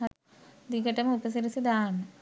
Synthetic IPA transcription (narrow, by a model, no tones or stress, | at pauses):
ɐ | d̪iɡɐʈːɐmupɐs̬ɐɾisɐd̪aːɳːɨ